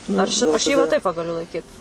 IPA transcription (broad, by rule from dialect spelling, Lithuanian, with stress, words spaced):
ˈɐʃ ɐʃ ˈjɪ ʋɐ tɐɪp ˈʋɐ ɡɐˈlʲʊ lˠɐɪˈkʲiːt